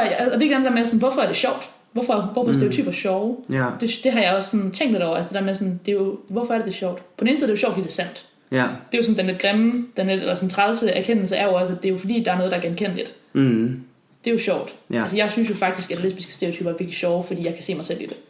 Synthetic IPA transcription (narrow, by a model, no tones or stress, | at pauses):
jæ̽ːd̥e̝ɡ̥ænde̥æɐmesɔn̩ʋɒfɒæɐɾ̥e̝ɕɒʊ̰d̥ | ʋɒfɒʋɒfɒsd̥eɐot͡sʰy̰ːb̥ɐɕɒʊd̥e̝d̥e̝ɦɑ̈jɑ̈ɪɒssɒ̽nt͡sʰeŋ̰d̥eɾɒ̰ʊ̰ɐælsə̥d̥e̝̥eɐmesɔ̽nd̥e̝jo̝ʋɒfɒ̽ɐɾe̝d̥e̝ɕɒʊd̥pʰɒ̽dneːn̩siðˠdejo̝ɕɒ̰ʊfdḭːde̝̥ɐsæn̰d̥ | d̥e̝jo̝sɔn̩d̥enled̥̚ɡ̥ʁem̩d̥enled̥elɐsɒn̩t͡sʰʁalsəæɐkʰen̰l̩səæɐjo̝ɒ̽sæd̥e̝jo̝fɒdḭːd̥ɑ̈æɐnɔ̽ðˠdɑæɐɡ̥enkʰen̰lid̥ | d̥e̝jo̝ɕɒʊ̰d̥ælsəjɑ̈ɪsynsjo̝fɑ̈ɡ̥̚d̥isɡ̥ædele̝sb̥isɡ̥ə̥sd̥eɐot͡sʰyːb̥ɐʋe̝ɐɡ̥liɕɒʊfɒdḭːjɑ̈ɪkʰæ̥se̝̰ːmɑɪsel̰id̥e̝